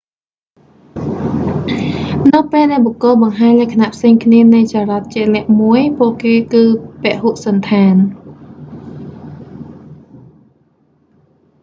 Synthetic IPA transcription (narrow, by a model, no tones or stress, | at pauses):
nɨwpeːlɗaɛlɓokːʊlɓɑŋɦaːɲlɛəkʰanaʔpʰseːŋkʰniənɨjsaːɾat̪̚t͡ɕiəlɛ̆əʔmuəjpuəʔkeːkɨːpɛ̆əʔhuʔsɑnt̪ʰaːn